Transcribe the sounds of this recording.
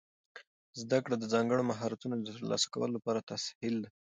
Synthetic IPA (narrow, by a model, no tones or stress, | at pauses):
zd̪akɽad̪əzɑŋɡəɽomaɦɑɾat̪unod̪ət̪əɾlɑ̰sḁka̰wə̰lolapɑɾat̪ashɪld̪e